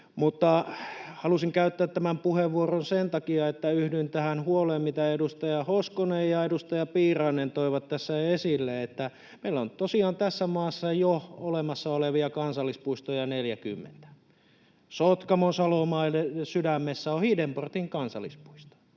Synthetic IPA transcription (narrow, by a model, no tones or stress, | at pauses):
mut̪ːɑhɑlusiŋkæyt̪ːæːt̪ːæmæmpuheʋʋːuoronsent̪ɑkiɑet̪ːæyhdynt̪æhænhuoleːmmit̪æedust̪ɑjɑhoskonejjɑedust̪ɑjɑpiːrɑːnent̪oiʋɑt̪tæsːæesilːeet̪ːæ | meilːont̪osiɑːnt̪æsːæmɑːsːɑjoolemɑsːɑoleʋiɑkɑnsɑlːispuist̪ojɑneljækymːḛnt̪æ̥ | sot̪kɑmonsɑlomɑilːesydæmːesːæohidemport̪iŋkɑnsɑlːˑispu̥ist̪o̥